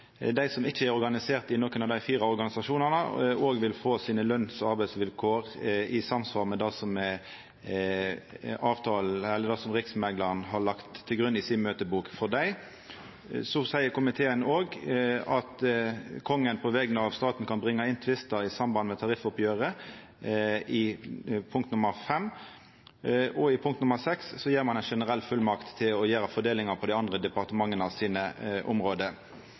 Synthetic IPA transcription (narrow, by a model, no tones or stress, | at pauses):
d̪æɪsɔmɪt͡ʃːəæɾɔɾɡɑnɪseːʁt̪ɪnoːkənɑʋd̪æɪfiːʁɑɔɾɡɑnɪsɑʃuːnɑnəoːɡʋɪlfoːsiːnəlœnsɔɑɾbæɪsʋɪlkʰoːʁɪsɑmsʋɑːlmɛd̪æɪsɔm | ɑːʋt̪ʰɑːlɛlːəd̪æsɔmʁɪksmɛɡlɑʁnɦɑɭɑkt̪ʰːɪlɡɾʉnːɪsɪnmøːt̪əbuːkfɔʁd̪æɪ | sɔsæɪəkʊmɪt̪ʰeːənoːɡɑt̪kʰɔŋːənpʰɔʋɛɡnəɑʋst̪ɑːt̪n̩kʰɑnbʁɪŋːɑɪnt̪ʰʋɪst̪əɾɪsɑmbɑnd̪mɛt̪ʰɑʁɪfɔpjøːʁə | ɪpʰʊŋkt̪nʊməʁfɛmː | ɔɪpʰʊŋkt̪nʊməsɛkssɔjiːʁɾmɑnæɪnʂɛnəʁɛlːfʉlmɑkt̪ʰːɪlɔjæːɾəfɔd̪eːlɪŋɑpʰɔd̪æɪɑnd̪ʁəd̪ɛpɑʁt̪əmɑŋːənɑʋsiːnəʔʊ̰mʁoːd̪ə